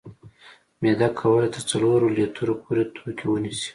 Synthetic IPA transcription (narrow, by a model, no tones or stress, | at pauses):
med̪akʰawəlet̪əɾt͡saloɾolet̪ʰəɾopʰoɾet̪ʰokʲʰewənisi̥